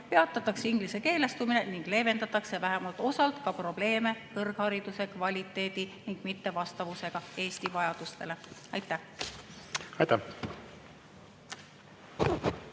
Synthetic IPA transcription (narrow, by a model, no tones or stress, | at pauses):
pe̞ɑt̪ːˑɑt̪ːˑɑkseiŋɡ̥lise̞ke̞ːle̞st̪umine̞niŋɡ̥le̞ːve̞nɑt̪ːˑɑkse̞væɦemɑlt̪ˑo̞sɑlt̪kɑpro̞b̥le̞ːme̞kɤrɡ̥hɑɾid̪̥use̞kvɑlʲit̪ːˑe̞ːd̪̥iniŋɡ̥mit̪ːe̞vɑst̪ɑvuse̞ɡ̥ɑe̞ːst̪ivɑjɑd̪̥ust̪e̞le̞ɑjt̪ːˑæh | ɑjt̪æ